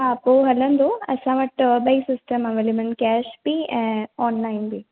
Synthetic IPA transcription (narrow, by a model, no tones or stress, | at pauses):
apoːɦɐlːɐnd̪uɐ̰saʋɐʈbɐjksisʈɐmɐʋelimɐɳʈkaːʃbĩaːnlajnbi